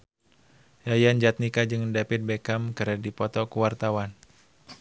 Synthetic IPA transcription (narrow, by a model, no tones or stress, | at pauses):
jajand͡ʒat̪̚nikad͡ʒɨŋdapɪt̪̚bekamkaɾadipɔt̪ɔkuwart̪awan